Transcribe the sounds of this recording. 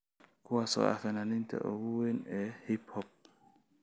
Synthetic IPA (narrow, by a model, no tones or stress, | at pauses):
kuwasɔ̰a̰fɛnanint̪ɛ̰ʔoɡuwenɛhiphɔp̚